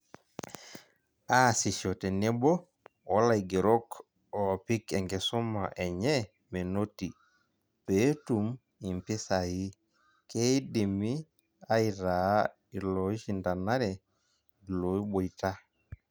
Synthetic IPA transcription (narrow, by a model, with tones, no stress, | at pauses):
a˦˨si˨ʃɔ˨tɛ˨ne˦bɔ˦ | wa˦la˨i˨ɡe˨ɾɔ˦k | ɔ˨pi˦kɛ˨ŋɡɛ˨su˦ma˨ʔɛ˨ɲɛ˦ | me˨no˦ti˨ | pe˦tu˨m | i˨mpi˦sa˨ji˦ | ke˦i˦di˨mi˦ | a˦iɾa˨˦ | i˨lɔ˨i˦ʃi˨nda˨na˦ɾɛ˨ | lo˨i˦bo˨i˨ta˦